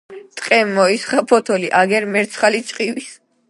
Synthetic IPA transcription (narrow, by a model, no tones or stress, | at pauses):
t̪ʼqʼɛmːɔisχapʰɔt̪ʰɔliʔaɡɛɾmɛɾt̪sʰχalit͡ʃʼqʼiwis